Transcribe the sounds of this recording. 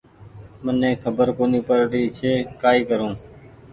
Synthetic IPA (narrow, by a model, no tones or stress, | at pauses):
mənẽːkʰəbəɾkoːniːpəɾɾiːt͡ʃʰeːkaːiːkəɾũː